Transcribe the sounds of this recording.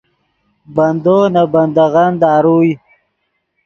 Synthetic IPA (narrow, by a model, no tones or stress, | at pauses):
band̪oːnabɐnd̪aɣand̪ɑːɾuːj